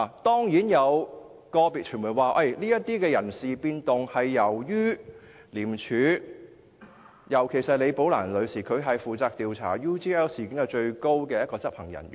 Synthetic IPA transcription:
t̪ɔː˥ŋjiː˨˥njɐ˨˧w | kɔː˧piː˨t͡ʃʰy˨˩muː˨˩waː˨ʔɐ˧jliː˥jɐ˥t̚t̪iː˥kɛː˧jɐ˨˩nsiː˨piː˧nt̪ʊ˨ŋhɐ˨jːɐ˨˩wjyː˥ | liː˨˩mt͡ʃʰyː˨˥ | jɐ˨˩wkʰe˨˩jsɐ˨t̚le˨˧jpo˨˥wla̰ː˨˩nlɵ˨˧ɥsiː˨˩kʰɵ˨˧ɥɦɐ˨jfuː˨t͡saː˧k̚t̪iː˨wt͡sʰa̰ː˨˩juː˥t̪iː˥ɛː˥wsiː˨˩kɪ˨˥ŋɐ˨˧t͡ʃɵ˧ɥko˥wkɛː˧jɐ˥t̚kɔː˧t͡sɐ˥p̚hɐ˨˩ŋjɐ̰˨˩n

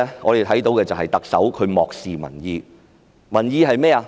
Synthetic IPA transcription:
ŋɔː˨˧ɾe˨jt̪ʰɐ˨˥jt̪o˨˧wkɛː˧t͡sɐ˨wɦɐ˨jt̪ɐ˨k̚sɐ˨˥wkʰɵ˨˧ɥmɔː˨k̚siː˨mɐ̰˨˩njiː˧ | mɐ˨˩njiː˧ɦɐ˨jmɛː˥a˧

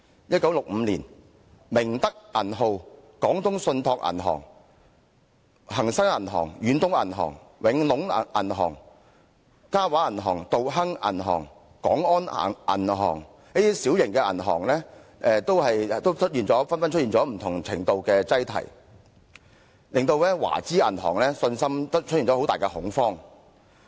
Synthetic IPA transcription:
jɐ˥t̚kɐ˨˥wlʊ˨k̚m̩˨˧liː˨˩n | mɪ˨˩ŋt̪ɐ˥k̚ʔɐ˨˩nɦo˨˧wkɔː˨˥ŋt̪ʰʊ˥ŋsɵ˧nt̪ʰɔː˧k̚ʔɐ̰˨˩nɦɔ̰ː˨˩ŋ | hɐ˨˩ŋsɐ˥ŋɐ˨˩nɦɔ̰ː˨˩ŋjyː˨˥nt̪ʊ˥ŋɐ̰˨˩nɦɔ̰ː˨˩ŋ | wɪ˨˥ŋlʊ˨˥ŋ˨ʔɐ̰˨˩nɦɔ̰ː˨˩ŋ | kaː˥waː˨˥ɐ˨˩nɦɔː˨˩ŋt̪o˨wɦɐ˥ŋɐ̰˨˩nɦɔ̰ː˨˩ŋ | kɔ̰ː˨˥ŋɔː˥n̰˨ʔɐ̰˨˩nɦɔː˨˩ŋ | niː˥t̪i˥siː˨˥wjɪ˨˩ŋkɛː˧ʔɐ˨˩nɦɔ̰ː˨˩ŋlɛː˥ɛː˨˧t̪o˥whɐ˨jt̪o˥wt͡ʃʰɵ˥t̚jiː˨nt͡sɔː˨˥fɐ˥nfɐ˥nt͡ʃ̚ʰjiː˨nt͡sɔː˨˥m̩˨˩t̪ʰʊ˨˩ŋt͡sʰɪ˨˩ŋt̪o˨˧wkɛː˧t͡sɐ˥jt̪ʰɐ̰˨˩j | lɪ˨ŋt̪o˧wlɛː˥wa̰ː˨˩t͡siː˥ɐ̰˨˩nɦɔ̰ː˨˩ŋlɛː˥sɵ˧nsɐ˥m˥t͡ʃʰɵ˥i˨nt͡sɔː˨˧ho˨˥wt̪aː˨jkɛ˧hʊ˨˥ŋfɔː˥ŋ

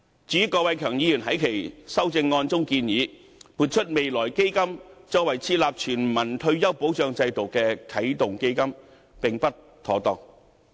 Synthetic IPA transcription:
t͡syː˨˥kɔː˧wɐ˨˧jkʰœː˨˩ŋjiː˨˧jyː˨˩nɦɐ˨˥jkʰe˨˩jsɐ˥wt͡sɪ˧ŋːɔː˧nt͡sʊ˥ŋkiː˧njiː˨˥ | pʰuː˨˩t̚t͡ʃʰɵ˥t̚me˨jlɔː˨˩jke˥jkɐ˥mt͡sɔ˥wɐ˨jt͡sʰiː˥laː˨p̚t͡ʃʰyː˨˩nmɐ˨˩nt̪ʰɵ˧ɥjɐ˥wpo˨˥wt͡ʃœː˧ŋt͡sɐ˧jt̪o˨˩wkɛː˧kʰɐ˨˥jt̪ʊ˨ŋke˥jkɐ˥m | pɪ˨ŋpɐ˥t̚ | t̪ʰɔː˨˥t̪ɔː˨˩ŋ

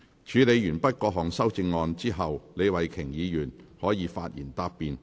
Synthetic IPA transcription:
t͡ʃʰyː˨˧le˨˧jɥyː˨˩npɐ˥t̚kɔː˧ɦɔː˨˩ŋsɐ˥wt͡sɪ˧ŋːɔː˧nt͡siː˥ɦɐ˨wle˨˧jwɐ˨jkʰɪ˨˩ŋjiː˨˧jyː˨˩nhɔː˨˥jiː˨˧fa̰ː˧t̚jiː˨˩nt̪aː˧pːiː˨˧n

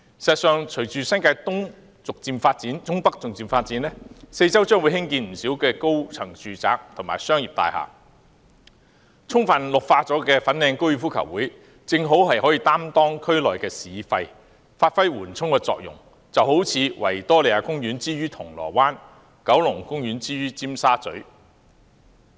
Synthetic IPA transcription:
sɛː˨t̚sœː˨˧ŋt͡ʃʰɵ˨˩jt͡ʃyː˨sɐ˥nkaː˧jt̪ʊ˥ŋ | t͡sʊ˨k̚t͡siː˨˧mfaː˧t̚t͡siː˨˥nt͡sʊ˥ŋpɐ˥k̚t͡sʊ˨k̚t͡siː˧mfaː˧t̚t͡si˨˥nlɛ˥se˧jt͡sɐ˥wt͡ʃœː˥ŋwu˨˧˥jhɪ˥ŋkiː˧nm̩˨˩si˨˥wkɛː˧ko˥wt͡sʰɐ˨˩ŋt͡syː˨t͡sa̰ː˨k̚t̪ʰʊ˨˩ŋmaː˨˩jsœː˥ŋjiː˨p̚t̪a̰ː˧jha̰ː˨˩ | t͡sʰʊ˥ŋfɐ˨nlʊ˨k̚faː˧t͡sɔː˨˥kɛː˧fɐ˨˥nlɛː˧ŋkwjyː˧˩fuː˥kʰɐ̰˨˩wːuː˨˥j | t͡sɪ˧ŋɦo˨˥wɦɐ˨jhɔː˨˥jiː˨˧t̪aː˥mt̪ɔː˥ŋkʰɵ˥ɥlɔː˨˩jkɛː˧siː˨˧fɐ˧j | faː˧t̚fɐ˥jwuː˨˩nt͡sʰʊ˥ŋkɛː˧t͡sɔ̰ː˨k̚jʊ̰˨˩ŋ | t͡sɐ˨who˨˥wt͡sʰiː˨˧wɐ̰˨˩jt̪ɔː˥le˨˩aː˧kʊ˥ŋjyː˨˥nt͡siː˥ɥyː˥t̪ʰʊ˨˩ŋlɔ̰ː˨˩waː˥n | kɐ˨˥wlʊ˨˩ŋkʊ˥ŋjyː˨˥nt͡siː˥ɥyː˥t͡siː˥msaː˥t͡sɵ̰˨˥ɥ

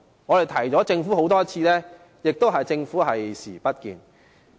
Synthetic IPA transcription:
ŋɔː˨˧ɾe˨jt̪ʰɐ˨˩jt͡sɔː˨˥t͡sɪ˧ŋfuː˨˥ho˨˥wt̪ɔː˥t͡sʰiː˧lɛ˥ | jɪ˨k̚t̪o˥wɦɐ˨jt͡sɪ˧ŋfuː˨˥ɦɐ˨jsiː˨˩pɐ˥t̚kḭː˨˧n

